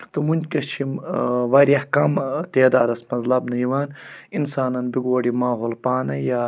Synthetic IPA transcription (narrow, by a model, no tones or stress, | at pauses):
t̪umunʲd͡ʒkɐt͡ʃʰimʋɐɾjɐhkamt̪eːd̪a̰ːd̪ɐsmɐzlɐbnɐjiʋaːninsaːnɐnbiɡoːɽimaːɦolpaːnɐjaː